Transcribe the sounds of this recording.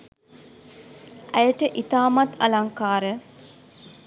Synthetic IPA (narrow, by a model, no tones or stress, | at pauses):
ʔæjəʈəʔit̪aːmat̪ɐlaŋkaːɾə